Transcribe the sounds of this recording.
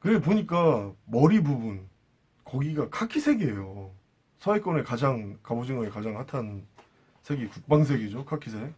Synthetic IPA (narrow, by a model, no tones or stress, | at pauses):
kɯɾepoɲik͈amʌɾibubun | kʌɡiɡakʰakʰisʰe̞ɡeejo | sʰʌek͈ʌnekad͡ʑaŋkabod͡ʑiŋʌekad͡ʑaŋhatʰan | sʰe̞ɡekuk̚p͈aŋs̬ʰe̞ɡid͡ʑokʰakʰisʰe